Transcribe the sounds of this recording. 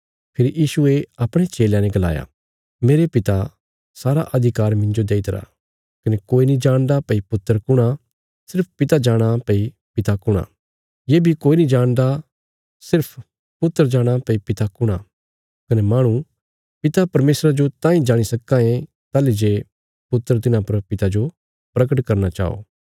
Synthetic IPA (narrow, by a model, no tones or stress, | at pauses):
pʰɪɾijiːsueɐpɽ̃et͡ʃeːljãnɛ̃ɡɐla̰ːja̰ | meːɾepɪt̪a | saːɾa̰ʔɐd̪ʱɪkaːɾmɪ̃nd͡ʒod̪eːit̪ɐɾa̰ː | kɐnekoːinĩd͡ʒãːɽ̃d̪apɐipʊt̪ːəɾkʊɽ̃a | sɪɾp̚ʰpɪt̪ad͡ʒaːɽ̃apɐi | pɪt̪akʊɽ̃a̰ | jeːbʱikoːinĩd͡ʒaːɽ̃d̪a | sɪɾpʰ | pʊt̪ːəɾd͡ʒaːɽ̃apɐipɪt̪akʊɽ̃a | kɐnemaːɽ̃ũ | pɪt̪apɐɾmeːsɾad͡ʒot̪ãːĩd͡ʒaːɽ̃isɐkːãẽ | t̪aːlid͡ʒeː | pʊt̪ːəɾt̪ɪnãpɐɾpɪt̪ad͡ʒo | pɾɐk̬əʈkɐɾnat͡ʃa̰ːo̰ː